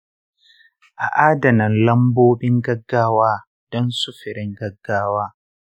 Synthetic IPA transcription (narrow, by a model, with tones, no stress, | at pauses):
ʔa˨ʔaː˦dɐ˨nɐ˨nlɐ˦mboː˦ɓɪ˦ŋɡɐ˦ɡːaː˦waː˦ | d̥ɔ˦nsʊ˦ɸɪ˨ɾɪ˦ŋɡɐ˦ɡːaː˦waː˦